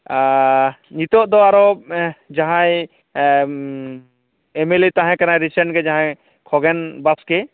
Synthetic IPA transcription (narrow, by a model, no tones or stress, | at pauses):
ɲit̪ɔʔd̪ɔaɾɔd͡ʒaɦaj | emelit̪ãɦɛ̃kanaɾisɛɳʈɡɛd͡ʒãɦã | kʰɔɡɛnbaskɛ